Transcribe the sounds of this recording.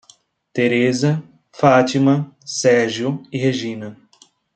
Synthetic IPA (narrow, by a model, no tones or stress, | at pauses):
t̪eɾezɐ | fat͡ʃimɐ̃sɛɾʒjʊiɦeʒĩnɐ